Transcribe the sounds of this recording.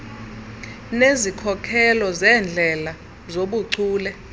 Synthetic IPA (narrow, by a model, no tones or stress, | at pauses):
nezikʰɔkʰɛlɔzɛnd͡ɮʱɛla | zoɓuǀʰuːlɛ